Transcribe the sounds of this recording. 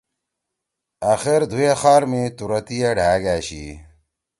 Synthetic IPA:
aːxeɾd̪ʱujexaːɾmet̪uɾɐt̪ijɐɖʱaːɡaːɕi

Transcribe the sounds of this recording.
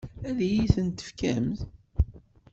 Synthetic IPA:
æðjiθənt̪ə̥fkæmθ

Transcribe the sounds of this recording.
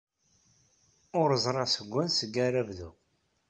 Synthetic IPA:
ʊɾəzˤɾˤɑsəɡʷːænsəɡːæɾævðu

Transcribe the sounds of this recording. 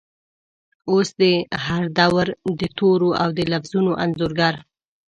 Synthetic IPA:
osd̪əhaɾd̪awɾd̪ət̪ʰoɾoawd̪əlafz̥unoʔanzoɾɡaɾ

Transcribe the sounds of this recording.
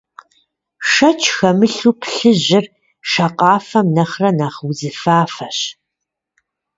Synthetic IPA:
ʂɐt͡ʃʰxɐmɨɬuːpɬɨʑɪr | ʃɐqʼɑːfɐmnɐχrɐnaːχwzɨfaːfɐɕ

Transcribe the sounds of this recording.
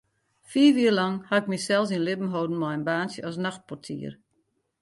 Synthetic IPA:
fiːʋiːərlaŋhaɪk̚misɛlˠs̬inlɪbn̩ɦowdn̩mɔjənbaːnsjəɔsnaxt̚pɔrtʰḭːər

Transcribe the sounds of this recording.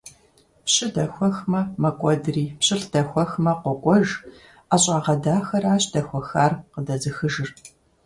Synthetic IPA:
pɕɪdɐxʷɔxmɐmɐkʷʼɔdriːpɕɪɬd̥ɐxʷɔxmɐqʷɔkʷʼɔʒ | aːɕʼaːʁɐdaːxɐɾaːɕʼd̥ɐxʷɔxaːrqədɐzɨxɨʒɨr

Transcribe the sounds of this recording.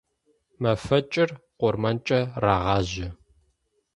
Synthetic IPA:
mɐfɐt͡ʃʼɪrqʷʊrmɐnt͡ʃʼɐraːʁɑːʑɪ

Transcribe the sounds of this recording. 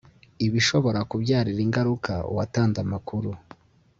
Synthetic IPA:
iβiʃo̞βo̞ɾakubɟaːɾiɾiŋɡaɾuka̰ṵwataːnzamakuɾu

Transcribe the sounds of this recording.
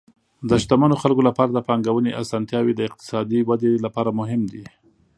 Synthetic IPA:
d̪əʃt̪amanoxalkolapɑɾad̪əpɑŋɡawəneʔasɑnt̪jɑwed̪əɪq̚t̪ɪ̥sɑd̪iwad̪elapɑɾamʊɦɪmd̪i

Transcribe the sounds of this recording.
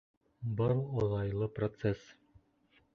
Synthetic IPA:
bɤlˠoðˠɑjlˠɤprot̪ses

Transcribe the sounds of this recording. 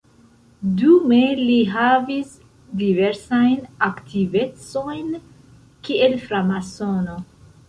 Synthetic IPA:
dume̞liɦavis | dive̞ɾsajnaktʰive̞t͡so̞jn | kiʔelfɾamasono̞

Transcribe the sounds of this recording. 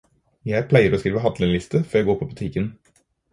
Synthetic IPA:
jæɪpʰlæɪəɾoːskɾiːʋəɦɑd̪lɪŋlɪst̪əføːjæɪɡoːɾpʰɔbʉt̪ʰɪkən

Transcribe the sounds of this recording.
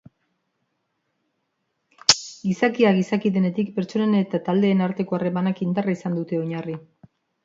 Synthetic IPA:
ɡisakiaɣisakiðe̞ne̞t̪ikpe̞ɾt͡ʃo̞nenet̪at̪ald̪e̞ːnaɾt̪e̞ko̞are̞manakind̪araisand̪ut̪e̞oɲari

